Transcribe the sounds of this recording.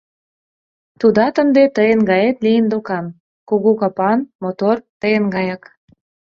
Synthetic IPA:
t̪ud̪ɑt̪ə̆nd̪et̪əjənɡɑjet̪lijənd̪okɑm | kuɣukɑpɑnmot̪ort̪əjənɡɑjɑk

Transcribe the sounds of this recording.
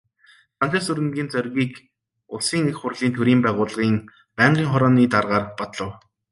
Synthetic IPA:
χant͡ɕĕːsɵɾɘ̆ŋɡʲiːnt͡sœrʲɣiːk | ʊsiːŋexχʊrɮiːnt̪ʰɵɾiːmpæːʁʊːɮʁiːŋ | pæːɴɢiːŋχɔɾɔːniːt̪arʁaːrpɔt̪ɮɞ̆w

